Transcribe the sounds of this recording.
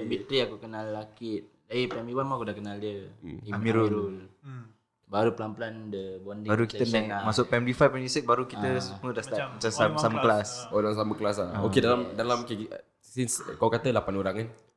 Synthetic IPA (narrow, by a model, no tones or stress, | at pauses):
bit̪ɾiakukənalːakɪt̪̚daipɛmbiwanmakudahkənaldiəiamiɾuɾul | baɾupəlamplandəbɔndibaɾukit̪əɛamasʊʔpɛmdifapɛmdisɛk̚baɾukit̪əsumudaslamat͡ʃansasaməkəlasodalamsaməkəlas̬aokedalamdalamke | sinskawkat̪əlapanoɾaŋan